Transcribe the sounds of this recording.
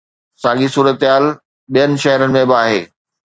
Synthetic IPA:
sãːɠisuːɾət̪ɦaːl | ɓijənɪ̆ʃɐɦɪɾənɪ̆mẽbɪaːɦeː

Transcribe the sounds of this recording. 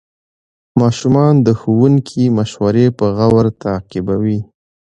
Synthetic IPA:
mɑʃumɑnd̪əxuwuŋkʰimaʃwaɾepəɣawaɾt̪aqɪbawi

